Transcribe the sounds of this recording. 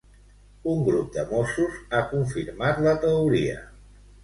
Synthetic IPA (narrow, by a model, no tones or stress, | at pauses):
uŋɡɾup̚d̪əmosuzakuɱfiɾmat̪lət̪əuɾiə̰